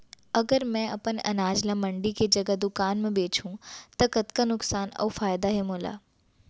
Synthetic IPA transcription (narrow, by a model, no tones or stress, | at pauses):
ɐɡəɾmɛ̃ɐpənɐ̰naːd͡ʒlamɐ̃ɳɖiked͡ʒɐɡad̪ʊkaːnmẽɓeːt͡ʃʰũt̪ɐkɐt̪kanʊksaːnɔ̰ːfaːjd̪aɦemoːla̰ː